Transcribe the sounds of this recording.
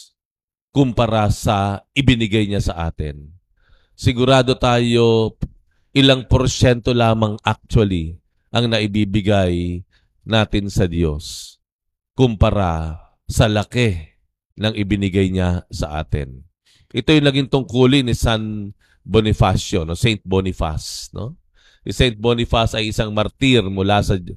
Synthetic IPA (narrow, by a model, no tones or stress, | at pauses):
kʊmpɐɾasɐʔɪbɪnɪɡajɲasɐʔa̰ːt̪ɪ̰n | sɪɡʊɾaːd̪o̞t̪aːjo̞ | ʔɪlaŋpoɾʃɛnt̪o̞laːmɐŋʔak̚t͡ʃ̪wɐli | ʔɐŋnɐʔɪbiːbɪɡaj | naːt̪ɪnsɐd̪jo̞s | kʊmpɐɾa | sɐlɐkɛ | nɐŋʔɪbɪnɪɡajɲasɐ̰ʔa̰ːt̪ɪ̰n | ʔɛt̪o̞jʊŋnɐɡiŋt̪ʊŋkuːlɪŋnɪsan | bonɪfasonosɛjnt̪̚bonɪfa̰snʔo̞̰ | ɪsɛjnt̪̚bonɪfasɐjʔɪsaŋmɐɾt̪iɾmʊlasɐ